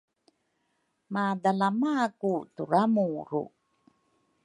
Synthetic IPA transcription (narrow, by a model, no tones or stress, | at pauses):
madalamakutuɾamuɾṵ